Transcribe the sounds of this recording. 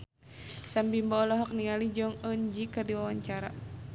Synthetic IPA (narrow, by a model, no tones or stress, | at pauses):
sambimbɔːlɔɦɔk̚niŋalid͡ʒɔŋənd͡ʒikərdiwawaɲt͡ʃaɾa̰